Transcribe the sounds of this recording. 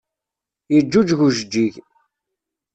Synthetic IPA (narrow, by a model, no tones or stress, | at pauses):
jəd͡ʒːud͡ʒʝuʒəd͡ʒːiʝ